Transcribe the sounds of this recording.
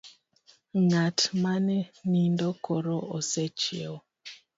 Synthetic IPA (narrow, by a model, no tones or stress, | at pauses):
ŋatmanɛnindɔkɔɾɔʔɔsɛt͡ʃeɔ